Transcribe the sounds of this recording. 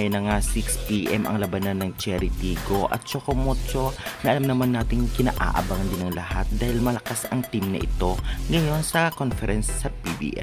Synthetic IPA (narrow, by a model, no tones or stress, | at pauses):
jonːɐŋasikspiːʔɛmʔɐ̰ŋlɐbɐnanːɐŋt͡ʃɛɾɪt̪iːɡoʔɐ̰t̪̚t͡ʃokomot͡ʃo̞nɐʔɐlamnɐmanːaːt̪ɪŋkɪna̰ːʔa̰ʔɐ̰baŋɐnd̪ɪnɐŋlɐhat̪̚d̪aːhɪlmɐlɐkasɐŋt̪imnɐ̰ʔɪ̰t̪o̞ŋɡɐjo̞nsɐkonfɛɾɛnsːɐpibḭːʔɛ̰